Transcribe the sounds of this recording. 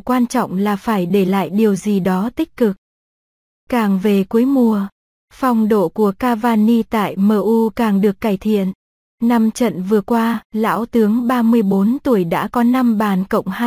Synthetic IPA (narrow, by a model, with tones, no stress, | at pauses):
kwaː˧nt͡ɕɔ̰˧˨wŋ͡mlaː˨˩faː˧˩jɗe˧˩la̰ː˧˨jɗi˨˩əwzi˨˩ɗɔ˨˦t̪ï˦˥k̟̚kɨ˨˩k̚ | kaː˨˩ŋve˨˩ku˨˦əjmu˨˧˩ə | fɔ˨˩wŋ͡mɗo̰˧˨ku˧˩əkaː˧vaː˧ni˧t̪a̰ː˧˨jməː˧ʔu˧kaː˨˩ŋɗɨ˨˩əkːaː˧˩jt̪ʰḭ˧˨ənː | a˧mt͡ɕə̰˧˨nvɨ˨˩əkwaː˧la̰ː˧˥wt̪ɨ˨˦əŋɓaː˧mɨ˧əjɓo˨˦nt̪u˧˩əjɗa̰ː˧˥kɔ˨˦na˧mɓaː˨˩nkə̰˧˨wŋ͡mha˧